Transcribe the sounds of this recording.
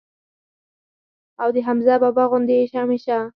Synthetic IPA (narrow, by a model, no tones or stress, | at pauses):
awd̪əɦamzababaɣʊnd̪eːʃameʃa